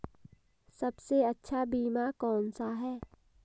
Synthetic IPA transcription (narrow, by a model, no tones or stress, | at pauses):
sɐbseətːʃʰabiːmakɔːnsaɦɛː